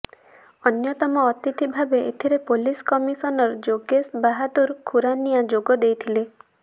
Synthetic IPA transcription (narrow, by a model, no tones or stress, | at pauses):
ɔnjɔt̪ɔmɔːt̪it̪ʰibʱabeʔet̪ʰiɾepoliskɔmisɔnɔɾɔd͡ʒoɡesbaɦad̪uɾkʰuɾanijad͡ʒoɡɔd̪ejt̪ʰile